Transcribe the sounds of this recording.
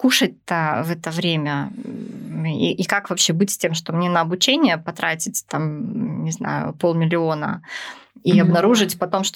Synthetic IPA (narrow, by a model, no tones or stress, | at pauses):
kuʂət̚ʲt̪əvɛt̪əvɾʲemʲə | ḭʔikakvɐpɕːebɨtʲsʲtʲe̞mʂt̪o̞mnʲenəːbʊt͡ɕenʲɪjəpɐt̪ɾatʲɪtʲt̪amnʲɪzna̰jʊ̰po̞lˠmʲɪlʲɪo̞nə̰ | iɐbnɐɾuʐɨtʲpɐt̪o̞mʂt̪